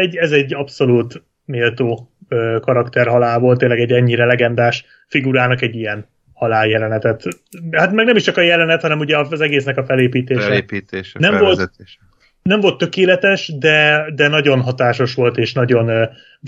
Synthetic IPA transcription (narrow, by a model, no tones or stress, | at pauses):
ɛɟːɛzɛɟːɒpso̞luːt̪ | meːlt̪oːøːkɒɾɒkt̪ɛrɦɒlaːlvolt̪eːnlːɛɡɛɟɛɲːiɾɛlɛɡɛnd̪aːʃ | fiɡuɾaːnɒkɛɟːijɛn | hɒlaːljɛlɛnɛt̪ɛt̪ | hat̪mɛɡnɛmiʃt͡ʃɒkɒjɛlɛnɛt̪hɒnɛmuɟɛɒzɛɡeːsnɛkɒfɛleːpiːt̪eːʃɛiːt̪eːʃnɛmvo̞lt̪eʃ | nɛɱvo̞lt̪ːø̞keːlɛt̪ɛʃd̪ɛd̪ɛnɒɟo̞nɦɒt̪aːʃo̞ʃʋo̞lt̪eːʃnɒɟo̞n